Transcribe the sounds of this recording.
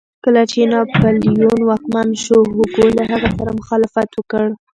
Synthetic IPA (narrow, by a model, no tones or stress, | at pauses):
kəlat͡ʃenɑpaljonwɑkmanʃoɦuɡolaɦaɣasaɾamʊxɑlɪfat̪wəkəɽ